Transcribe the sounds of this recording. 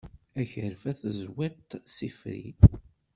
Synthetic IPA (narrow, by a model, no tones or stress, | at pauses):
æçəɾfæθəzwæt̪ːsifɾḭ